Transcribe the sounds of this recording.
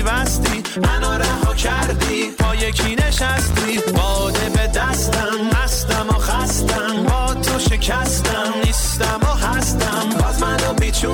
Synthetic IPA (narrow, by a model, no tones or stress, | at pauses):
væst̪i | mænɒɾæhɒcʰæɾd̪i | pʰɒːjecʰineʃæst̪i | bɒːd̪ebed̪æst̪æmhæst̪æmoxæst̪æmbɒːt̪ʰoʃe̞cʰæst̪æmniːst̪æmoɦæst̪æmbɒːzmænɔbit͡ʃʰu